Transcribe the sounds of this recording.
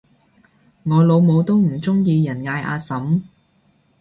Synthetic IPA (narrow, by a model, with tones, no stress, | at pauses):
ŋɔː˨˧lo˨˧wmo˨˧wt̪o˥wm̩˨˩t͡sʊ˥ŋjiː˧jɐ˨˩nŋaː˧jʔa̰ː˧sɐ˨˥m